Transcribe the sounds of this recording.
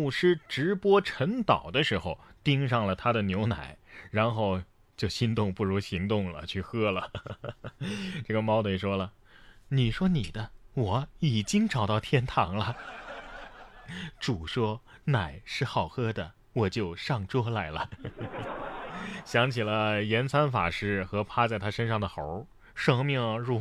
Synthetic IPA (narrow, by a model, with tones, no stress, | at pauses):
mu˥˩ʂɻ̩˥ʈ͡ʂɻ̩˧˥pwɔ˥ʈ͡ʂʰə˧˥ŋt̪ɑ˨˩ʊd̪ə˦ʂɻ̩˧˥xo˧ʊt̪i˥ŋʂɑ˥˩ŋlə˩t̪ʰa˥d̪ə˨njo˧˥ʊna̰˨˩˦ɪɻa˧˥nxo˥˧ʊ | t͡ɕjo˥˩ʊɕi˥nt̪ʊ˥˧ŋpu˥˩ɻu˧˥ɕi˧˥ŋt̪ʊ˥˩ŋlə̰˩t͡ɕʰy˥˩xɤ˥lə˨˩ | ʈ͡ʂɤ˥˩ɡə˩mɑ˥ʊt̪we˥˩ɪʂwɔ˥lə˩ | ni˨˩ʂwɔ˥ni˨˩d̪ə˦wɔ˨˩˦i˨˩t͡ɕi˥ŋʈ͡ʂɑ˨˩ʊt̪ɑ˥˩ʊt̪ʰjɛ˥˩nt̪ʰɑ˧˥ŋlə˧ | ʈ͡ʂu˨˩ʂwɔ˥ | na˨˩ɪʂɻ̩˥˩xɑ˨˩ʊxɤ˥d̪ə˨ | wɔ˨˩t͡ɕjo˥˧ʊʂɑ˥˩ŋʈ͡ʂwɔ˥la˧˥ɪlə̰˧ | ɕjɑ˧˥ŋt͡ɕʰi˨˩lə˦jɛ˧˥nt͡sʰa˥nfa̰˨˩ʂɻ̩˥˩xɤ˧˥pʰa˥t͡sa˥˩ɪt̪ʰa˥ʂə˥nʂɑ˥˩ŋd̪ə˩xo˧˥ʊ | ʂɤ˥˧ŋmi˥˩ŋɻu˥˧